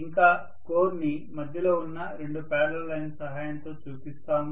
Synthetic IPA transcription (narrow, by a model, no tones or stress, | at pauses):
iŋkaː | koːɾnimɐd̪ʱjɐlo̞ːunːɐɾe̞ɳɖupɛːɽɐllɐjnsɐɦaːjɐnt̪o̞ːt͡ʃuːpist̪aːm